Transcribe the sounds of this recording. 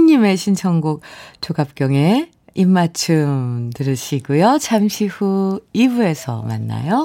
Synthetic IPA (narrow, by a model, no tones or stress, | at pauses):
ɲːime̞ɕʰint͡ɕʰʌŋɡuk̚t͡ɕoɡap̚k͈jʌŋe̞ | imːat͡ɕʰɯmtɯɾɯɕʰiɡujot͡ɕʰamɕʰiɸuibue̞sʰʌ̰ma̰nːa̰jo